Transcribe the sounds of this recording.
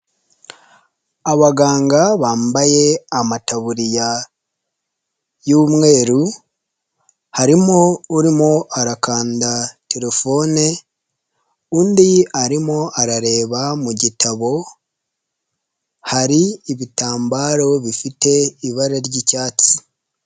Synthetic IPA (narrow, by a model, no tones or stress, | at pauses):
aβaɡaːŋɡaβaːmbaje̞amataβuɾija | juːmŋe̞ːɾu | haɾimo̞uɾimo̞ʔaɾakaːndate̞ɾe̞fo̞ːne | uːndiaɾimo̞ʔaɾaɾe̞ːβamuɟitʰaβo̞ | haɾiːβitaːmbaːɾo̞βifite̞iβaɾaɾɟicaːt͡si̥